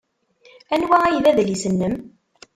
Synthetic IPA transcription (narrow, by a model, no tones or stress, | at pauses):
ænwææjðæðlisənːəm